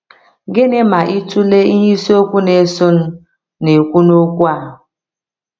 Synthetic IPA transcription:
ɡe˦ne˦ma˨ʔi˦tu˦le˦i˦ɲi˦so˦kʷu˦ne˨˦sʊ˦n̩˦ | ne˨kʷu˦no˦kʷu˦a˦˨

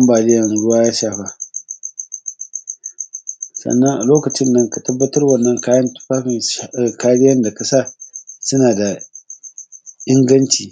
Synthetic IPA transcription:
ɐ˦mbaː˨lɪ˦jɐ˨nɽʊ˦waː˦jaː˦ʃaː˨ɸa˦ | sɐ̰˨nːɐ˦ŋʔa̰˨loː˦kɐ˨t͡ʃɪ˦nːɐ˦ŋka˨tɐ˦bːɐ˦tɐ˦rwɐ˦˨nːɐ˦ŋkaː˦jɐ˦ntu̥˦ɸaː˦ɸɪ˨n˦˨kaː˦ɽɪ˦jɐ˦nda˨ka˨sa˦˨sʊ˦naː˨da˨ | ʔɪ˦ŋɡɐ˦nt͡ʃiː˨

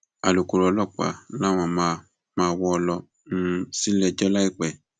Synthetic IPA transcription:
a˨lu˨ko˨˧ɾɔ˧lɔ˦˨k͡pa̰˨la˦w̃ɔ̃˧˨m˧ | mãː˧wɔ˦ɔ˧lɔ˧˦˧ | si˦lɛ˧d͡ʒɔ˦la˦i˦˨k͡pɛ˨

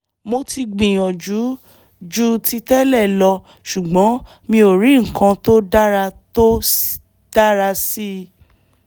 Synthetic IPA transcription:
mo˧ti˧ɡ͡bĩ˨j̃ɔ̃˨d͡ʒu˨˦ | d͡ʒu˦ti˦˧tɛ˦lɛ˦˨lɔ˧ | ʃu˨ɡ͡bɔ̃˨˦ | mĩ˧o˨ɾĩ˨˦ŋ̩˨kã˧to˦da˦ɾa˧to˦ | d̥a˦ɾa˧si˦

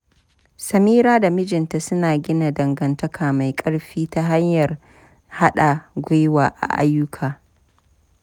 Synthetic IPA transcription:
sɐ˨miː˦ɾaː˦da˨mɪ˦d͡ʒɪ˨nta˨sʊ˦naː˨ɡʲɪ˦na˨dɐ˨ŋɡɐ˨ntɐ˦kʰaː˨ma˨jkʼɐ˦ɽɸiː˦ta˦ɦa˦ɲjɐ˨r | ha˦ɗa˨ɡʷʊ˦jwaː˨ʔa̰˨ʔa̰˦jːʊ˦kʰaː˨

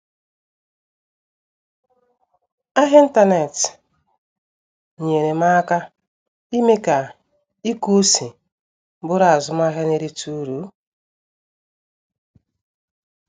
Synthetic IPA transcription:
a˦ɦɪ˦n̩˦ta˦ne˨t | ɲe˨ɾe˨ma˦ka˦ | i˦me˦ka˨ | i˦ku˦si˨˦ | bʊ˦ɾa˨a˨zʊ˦m˦a˦ɦe˦ne˦ɾi˦tu˦ɾu˨˦

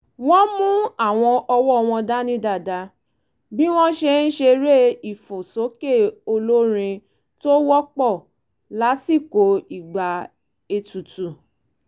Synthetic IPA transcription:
wɔ̃˦mũ˦a˦˨w̃ɔ̃˧ʔɔ˧wɔ˦˧w̃ɔ̃˧da˦nĩ˧˦da˨da˧ | bi˦w̃ɔ̃˦ʃe˧ñ̩˦ʃe˧ɾe˦i˦˨fo˨so˨˦ke˦˨o˧lo˦ɾ̃ĩ˧ | to˦wɔ˦k͡pɔ˦˨ | la˨˦si˦˨ko˨i˨ɡ͡ba˨ | e˧tu˨tu˨

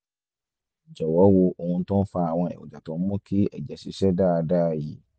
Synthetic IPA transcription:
d͡ʒɛ˨wɔ˨˦wo˧o˧hũ˧˦tɔ̃˦fa˦˨a˨w̃ɔ̃˧ɛ̰˨wṵ˨d͡ʒa˨tɔ̃˨m̩˦mɔ̃˦kʰi˦ɛ̰˨d͡ʒɛ˨si˨˦ʃɛ˦da˦˧daː˦˨ji˨˦

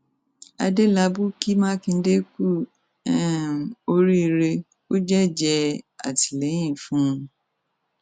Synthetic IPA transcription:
a̰˧de˦la˧˦bu˦ki˦mã˦kĩ˧˦de˦ku˦˨ | ɛ˦˨o˧ɾi˦˧ɾe˧ | o˦d͡ʒɛ˦d͡ʒɛ˧a̰˨ti̥˨lɛ˨˦j̃ĩ˦˨fũ˦ũ˧

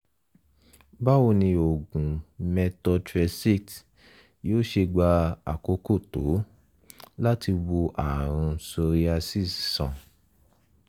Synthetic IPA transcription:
ba˦wo˧˨nĩ˧o˨ɡũ˨mɛ˧tɔ˧tɾɛ˧si˦˨t | joː˦ʃe˧ɡ͡ba˧a̰˨ko˧ko˦˨to˨˦ | la˦ti˧wo˧ʔa˨ɾ̃ũ˧so˧ɾi˧a˧si˦˨ssã̰˨

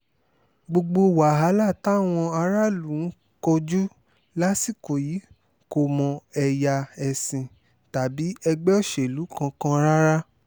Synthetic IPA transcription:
ɡ͡bo˧ɡ͡bo˧wa˨ɦa˨˦la˦˨ta˦˨w̃ɔ̃˧a˧ɾa˦lũ˨˦ | kɔ˧d͡ʒu˦ | la˦si˦˨ko˨ji˨˦ | ko˦˨mɔ̃˧ɛ˧ja˧ɛ˨sĩ˧ | ta˨bi˨˦ɛ˧ɡ͡bɛ˦ɔ˦˨ʃe˨lu˨˦kã˧kã˦ɾa˦ɾa˦

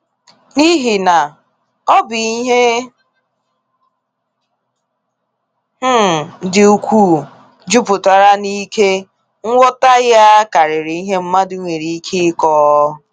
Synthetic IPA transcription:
ni˦ɦi˨na˨ | ɔ˦bi˨i˦ɦe˦ | dɪ˨u˨kʷuː˦˨ | d͡ʒu˦pʊ˨ta˨ɾa˦ni˦ke˦ | ŋ̩˦ŋʷɔ˦ta˦ja˦ka˨ɾɪ˨ɾɪ˨i˦ɦe˦m̩˦ma˦dʊ˦ŋʷe˨ɾi˨i˦kʰi˦kɔː˦

